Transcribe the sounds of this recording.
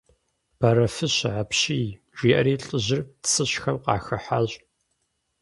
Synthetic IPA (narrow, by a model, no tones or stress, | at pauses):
b̥ɐɾɐfɨɕʕapɕiː | ʒ̥iːʔɐ̰ɾiːɬʼɨʑɪrsɨɕxɐmqɑ̰ːxɐħaɕʼ